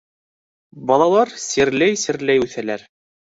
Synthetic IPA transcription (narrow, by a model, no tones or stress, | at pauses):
bɑlˠɑlˠɑɾsɘɾlæjsɘ̆ɾlæjʉθælæɾ